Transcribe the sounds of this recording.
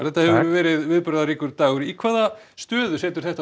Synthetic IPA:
θɛht̪ahɛvɾvɛːɾɪðvɪðpʏɾðaɾiːkʏɾt̪aːɣʏɾikʰvaːða | st̪œːðʏsɛːt̪ʏ̥ɾ̥θɛht̪a

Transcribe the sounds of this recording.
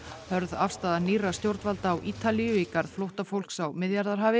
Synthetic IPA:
hœɾðafst̪aːðanirast̪jowɾt̪valt̪aːwʔiːt̪alijʏiːkaɾð̥flowht̪afowl̥ksawmɪðjaɾðaɾ̥ɦaːvɪ

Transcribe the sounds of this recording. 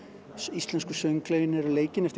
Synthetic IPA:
ist̪lɛnskʏsœŋklejɪnɛɾleːjcɪnɛft̪ɪ

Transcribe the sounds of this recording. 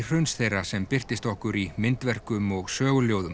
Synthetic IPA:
r̥ʏɥnsθejrːasɛmpɪr̥t̪ɪst̪ɔhkʏɾimɪnt̪vɛr̥kʏmɔɣsœːɣʏljowðʏm

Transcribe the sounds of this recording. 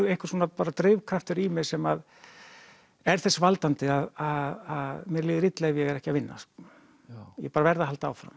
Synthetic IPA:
ejhkʏɾ̥suːnapaːɾat̪ɾɪːvkʰɾaft̪ʏɾimɪɾsɛmað | ɛɾ̥θɛsvalt̪ant̪ɪaðaðaðmjɛɾliːðɪɾit̪lɛːɣvjɛɣɛɾɛhcɪavɪnːa̰s | jɛ̰paːɾavɛɾðahalt̪aa̰ːwfɾa̰m

